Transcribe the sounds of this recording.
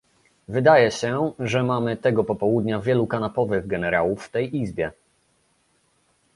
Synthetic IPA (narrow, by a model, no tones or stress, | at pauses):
vɘd̪ajɛɕɛʐɛmamɘt̪ɛɡɔpɔpɔwud̪ɲavʲjɛlukanapɔvɘɣɡɛnɛɾawufːt̪ɛjʔizbʲjɛ